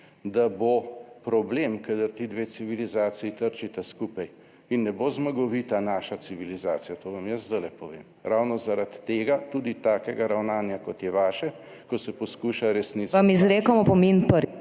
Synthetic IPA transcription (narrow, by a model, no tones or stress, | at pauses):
d̪abopɾɔbleːmkad̪əɾt̪id̪ʋeːsiʋilizaːt̪siit̪əɾt͡ʃit̪ɛskuːpaj | inːɛbozmaɡɔʋiːt̪anaːʃasiʋilizaːt̪sijat̪oːʋamjəsd̪əlɛpɔʋḛːm | ɾawnɔzaɾat̪ːeːɡat̪ud̪it̪aːkɛɡaɾawnaːnjakɔt̪jɛʋaːʃɛ | kɔsɛpɔskuːʃaɾɛsniamizɾeːkɔmɔpɔmenpəɾi